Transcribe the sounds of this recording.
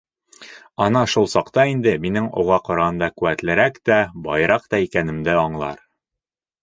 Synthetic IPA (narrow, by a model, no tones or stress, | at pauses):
ɒnɑʃulˠsɑqt̪ɑind̪ɘminɘŋo̰ʁɑqɒ̆ɾɑɑnd̪ɑkʉæt̪lɘ̆ɾækt̪æbɒjɾɑqt̪ɑikænɘ̆md̪ɘɒɴlˠɑ̰ɾ